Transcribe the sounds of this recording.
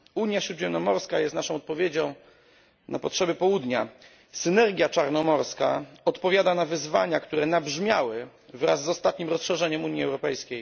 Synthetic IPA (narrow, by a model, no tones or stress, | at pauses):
uɲjaɕɾud̪ʑɛmnɔmɔɾskajɛst̪naʂɔ̃w̃ɔt̪̚pɔvʲjed͡ʑɔ̃w̃ | nʔapɔtʂɛbɘpɔwud̪ɲa | sɘnɛɾɡʲjat͡ʂaɾnɔmɔɾska̰ɔt̪pɔvjad̪anavɘzva̰ɲakt̪uɾɛnabʐmʲja̰wɘ | vɾa̰zːɔst̪at̪̚ɲimɾɔsʂɛʐɛɲɛmuɲiɛwɾɔpɛjskʲej